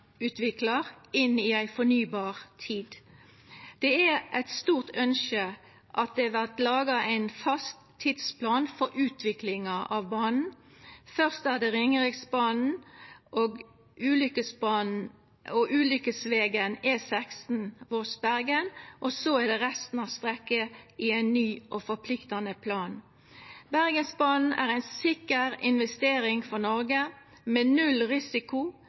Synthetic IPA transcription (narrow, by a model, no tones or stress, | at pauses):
ʉːt̪ʋɪklɑʁɪnːɪæɪfɔnyːbɑːʁt̪ʰiːd̪ | d̪̥ɛæʔɛt̪st̪uːʁt̪œnʃə | ʔɑt̪̚d̪ɛʋæʁt̪lɑːɡɑʔæɪnfɑst̪ʰːɪd̪spʰlɑːnfɔɾʉːt̪ʰʋɪklɪŋɑʔɑʋbɑːnn̩ | fœʁst̪æd̪ɛʁɪŋəʁɪksbɑːnn̩ʔoɡ | ʉːlʏkəsbɑːn̩ | ɔʔʉːlʏkəsʋeːɡənɛsɛkst̪n̩ʋɔsbæɾɡənʔɔsoæd̪ɛʁɛst̪n̩ɑʋst̪ʁɛkːəiæɪnːyːʔɔfɔpʰlɪkt̪ɑnəpʰlɑːn | bæɾɡənsbɑːnn̩æ̰ːʁæɪnsɪkəɾɪnʋɛst̪eːɾɪŋfɔnɔɾɡə | mɛnʉlʁɪsɪkʊ